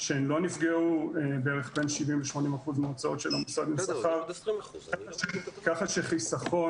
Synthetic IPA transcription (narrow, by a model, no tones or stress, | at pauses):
ʃeenlo̞nifɡeuebeeʁeχbenʃivimveʃmo̞nimaχuzmet͡sao̞t̪ʃelamusad̪mesaχaʁ | akaχaʃeχisafo̞